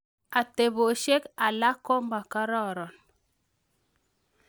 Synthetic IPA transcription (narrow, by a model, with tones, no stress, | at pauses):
a˨te˨βo˨ʃe˦ka˨la˦kɔ˦mba˨ka˦ɾɔ˦˨ɾɔ˨n